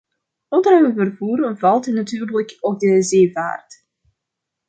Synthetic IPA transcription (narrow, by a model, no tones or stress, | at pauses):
ɔndərhøwəvərvuːɾəvɑlˠtənatyːrləkok̚dəzeːva̰ːrt